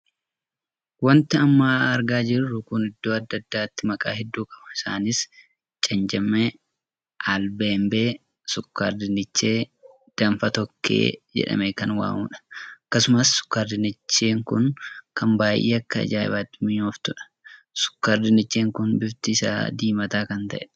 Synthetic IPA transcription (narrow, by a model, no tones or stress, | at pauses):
wɐnt̪ɪɐmːaːɐɾɡaːd͡ʒɪrːʊkʊnɪd̪ːo̞ːɐd̪ːɐd̪ːaːt̪ːɪmɐkʼa̰ːɦɛd̪ːuːkʼɐbɐɪsaːnɪs | t͡ʃʼɐnd͡ʒɐmɛ | ʔalbeːmbeː | sʊkːa̰ːɾd̪ɪnɪt͡ʃːeː | d̪̥ɐmfɐt̪ɔkʰːḛːd͡ʒɛ̰ᶑɐ̰mekɐnwa̰ːmuːᶑɐ̥ɐkːɐsʊmɐsːʊ̥kːaːɾd̪ɪnɪt͡ʃːeːŋkʊnkɐmbaːjʔḛːɐkːɐɐ̰d͡ʒa̰ːbaːt̪ːɪmɪɲoːft̪ʊᶑɐ̥ | sʊ̥kːaːɾd̪ɪnɪt͡ʃːeːŋkʊnbɪft̪ɪsa̰ːd̪iːmɐt̪aːkɐnt̪ɐ̰ʔɛ